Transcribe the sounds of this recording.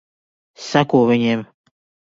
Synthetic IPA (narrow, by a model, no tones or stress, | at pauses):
sakoβeɲem